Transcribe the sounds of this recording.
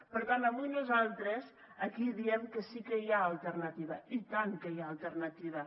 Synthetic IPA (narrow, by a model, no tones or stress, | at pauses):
pəɾt̪anaβujnuzalˠt̪ɾez | ɐkiðiɛmkəsikəiaəlˠt̪əɾnɐt̪iβɐit̪aŋkəjaːlˠt̪əɾnɐt̪iβɐ